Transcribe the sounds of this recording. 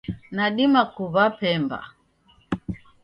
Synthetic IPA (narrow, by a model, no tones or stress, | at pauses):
naɗimakuβapɛmba̰